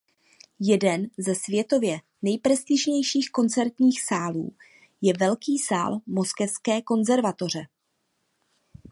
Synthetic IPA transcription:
jɛdɛnzɛsvjɛt̪o̞vjɛ | nɛjpɾɛst̪ɪʒɲɛjʃiːxko̞nt͡sɛɾt̪ɲiːxsaːlṵː | jɛvɛlkiːsa̰ːlmo̞skɛfskɛːko̞nzɛɾvat̪o̞r̝ɛ

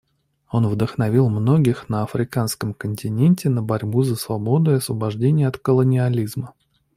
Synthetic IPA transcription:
o̞nvd̪əxnɐvʲilˠmno̞ɡʲɪxnəɐfɾʲɪkanskəmkənʲtʲɪnʲenʲtʲɪnəbɐɾʲbuzəsvɐbo̞d̪ʊjɐsvəbɐʐdʲenʲɪjəɐt̪kəlˠənʲɪɐlʲizmə

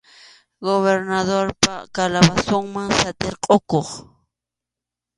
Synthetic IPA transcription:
ɡoβeɾnaðoɾpakalabasoŋmaŋsat̪eɾqʼokoχ

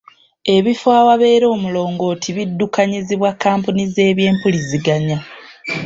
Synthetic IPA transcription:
e̞βifaːwaβe̞ːɾo̞ːmulo̞ːŋɡo̞ːtʰiβidːukaɲiziβwakːaːmpunize̞ːβje̞ːmpuliziɡaɲa

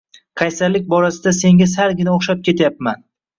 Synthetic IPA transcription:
qʰɑjsalːɪk̚ʲbɒɾasɪd̪ase̞ŋʲɪzaɾɡʲɪnɪoχʃap̚kʲe̞t̪ʰjapman

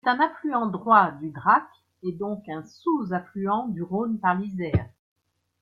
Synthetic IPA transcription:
sɛt̪ɛ̃naflyɑ̃d̪ʁwad̪yɡ̪ʁak | ed̪ɔ̃kɛ̃suzaflyɑ̃d̪yʁonpaʁlizɛːʁ

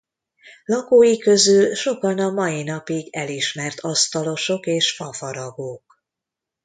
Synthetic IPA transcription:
lɒkoːjikø̞zylʃo̞kɒnɒmɒjinɒpiɡɛliʃmɛrt̪ʰɒst̪ɒlo̞ʃo̞keːʃfɒfɒɾɒɡoːk

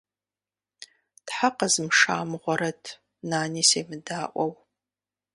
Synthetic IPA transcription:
tħaqɐzɨmʂaːmɨʁʷɔɾɐtʰ | naːniːseːmɨdaːʔʷɔw

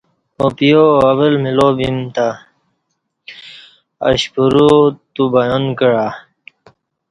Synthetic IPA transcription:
opijoɐwəlmilobimt̪a | ə̰ɕpuɾut̪ubajonkəɻa

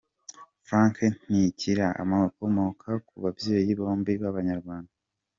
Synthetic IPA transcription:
fɾaːŋken̥iciɾaʔa̰mako̞mo̞kʰakuβabjejiβo̞ːmbiβaβaɲaɾɡwaːnda

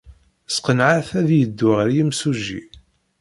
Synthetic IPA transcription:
sqənʕaθæðjəd̪ːʊʁəɾjəmsuʒḭ

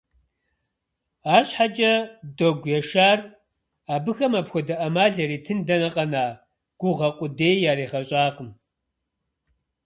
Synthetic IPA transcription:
aːɕħad͡ʒʼɐdoɡʷjɛʃaːr | aːbɨxɐmapxʷɔdɐʔɐmaːɮɐɾiːtʰɨndɐnɐqʼɐnaː | ɡ̥ʷʊʁɐqʷʼʊdeːjjaːɾeːʁɐɕʼaːqəm

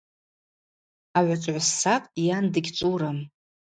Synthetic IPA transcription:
aʕʷat͡sʷʼʕʷasːaqʼjandɨɡʲt͡sʷʼuɾam

